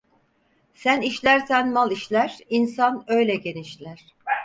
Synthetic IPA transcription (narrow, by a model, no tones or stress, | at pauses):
sæniʃlʲæɾsænmalˠiʃlʲæɾ̥insanø̞jlʲɛɟe̞niʃlʲæɾ̥